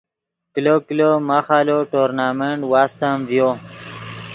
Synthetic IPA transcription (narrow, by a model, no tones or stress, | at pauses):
kloklomaχaloʈoɾnameɳʈwast̪amvjo